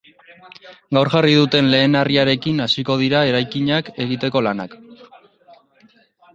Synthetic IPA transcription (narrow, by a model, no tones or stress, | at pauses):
ɡawɾɣarið̞ut̪e̞nle̞ːnariaɾe̞kinasiko̞ð̞iɾae̞ɾajkiɲake̞ɣ̞it̪e̞ko̞lana̰k